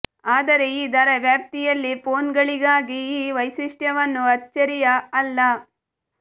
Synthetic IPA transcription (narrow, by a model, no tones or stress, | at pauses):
aːd̪ɐɾe̞iːd̪ɐɾɐʋjaːp̚t̪ijɐlːipoːnɡɐɭiɡaːɡiiːʋɐjsiʂʈjɐʋɐnːuɐtːt͡ʃːɐɾijɐːlːɐ